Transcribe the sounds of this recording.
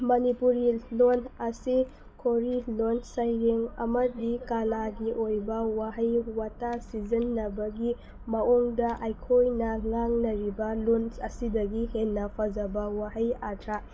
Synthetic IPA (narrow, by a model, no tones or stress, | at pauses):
mɐnipuɾilonɐsi | kʰoɾilonsajɾeŋɐ̰mɐdikalaɡiʔojbɐwaɦɐjwatasizɐnːɐbɐɡi | mɐoŋdɐʔajkʰojnɐŋaŋnɐɾibɐlonsɐsidɐɡihenːɐpʰɐd͡ʒɐbɐwaɦɐjatʰɾa